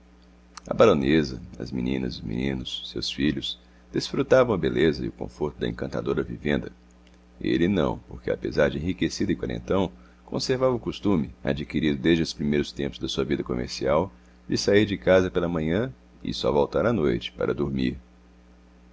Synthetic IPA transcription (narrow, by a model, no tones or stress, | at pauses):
ɐ̰baɾõnezɐ̰ɐ̰zmḭnḭ̃nɐ̰zʊmḭ̃nĩnʊsːewsfiʎʊs | d̪esfɾut̪avɐ̃w̃ɐbelezɐɪʊkõ̰foɾt̪ʊd̪ɐ̰ḛ̃kɐ̃t̪ad̪oɾɐvivḛ̃nd̪ɐ | ḛlɪnɐ̰̃w̃poɾkea̰pḛzaɾd͡ʒɪẽhikesid̪ʊɪkwaɾḛ̃nt̪ɐ̃w̃ | kõ̰seɾvavɐʊkost̪ũmɪa̰d͡ʒikiɾid̪ʊd̪ezd͡ʒɪʊspɾimejɾʊst̪ẽpʊzd̪ɐsuɐvid̪ɐkomḛɾsiaw | d͡ʒɪsaiɾd͡ʒɪkazɐpelɐmɐ̃ɲɐ̃ | ɪ̰sɔ̰vowt̪aɾanojt͡ʃɪ̥pa̰ɾɐd̪oɾmiɾ